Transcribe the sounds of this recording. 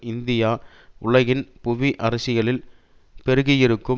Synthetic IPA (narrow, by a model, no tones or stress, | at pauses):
ɪnd̪ɪjaː | ʔʊɭɐɣɪnpʊʋiʔɐɾɐsɪɣɐɭɪl | pɛɾɯɣɪjɪɾɯkːɯ